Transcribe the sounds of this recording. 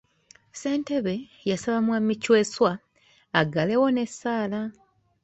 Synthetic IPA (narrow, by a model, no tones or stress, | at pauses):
se̞ːnte̞βe̞ | jasaβamwamːicwe̞ːswaː | ɡale̞wo̞ne̞sːaːla